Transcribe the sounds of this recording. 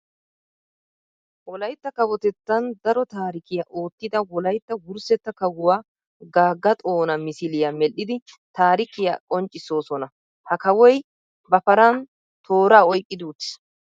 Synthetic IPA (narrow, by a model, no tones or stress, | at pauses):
wɔlɐjt̪ːɐkɐwɔt̪ɛt̪ːɐnd̪ɐɾɔt̪aːɾɪkɪjɐʔo̞ːt̪ːɪd̪ɐwɔlɐjt̪ːɐwʊɾsɛt̪ːɐkɐwʊwaː | ɡaːɡːɐt̪ʼo̞ːnɐmɪsɪlɪjɐmɛlːɪd̪ɪ | t̪aːɾɪkɪjakʼɔnt͡ʃʼːɪsːo̞ːsɔnɐ | hɐkɐwɔj | bɐpɐɾɐn | t̪ʰo̞ːɾaːɔjkʼːɪd̪uːt̪s